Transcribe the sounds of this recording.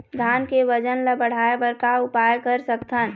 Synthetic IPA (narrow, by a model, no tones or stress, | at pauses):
d̪ʱaːnkeʋəd͡ʒənləbəɽ̤aːebəɾkaʊpaːjkəɾsəkt̪ʰən